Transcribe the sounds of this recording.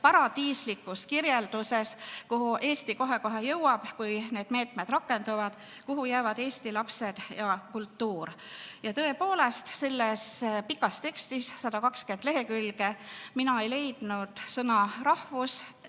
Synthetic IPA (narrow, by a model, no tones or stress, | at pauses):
pɑɾɑd̪̥iːslikːˑuskiɾjeld̪̥use̞skuɦuʔe̞ːst̪iko̞ɦe̞ko̞ɦe̞jɤwɑb̥kujne̞ːd̪̥me̞ːt̪ˑmed̪̥ɾɑkːˑe̞nd̪̥uvɑd̪̥ | kuɦujæːvɑd̪e̞ːst̪ilɑpse̞d̪̥jɑkult̪ːuːr | jɑt̪ɤ̞e̞po̞ːle̞st̪se̞lːe̞spikːˑɑst̪e̞kst̪issɑd̪̥ɑkɑkske̞nd̪̥le̞ɦe̞kylɡ̥e̞minɑejle̞jd̪̥nud̪̥sɤnɑɾɑhvus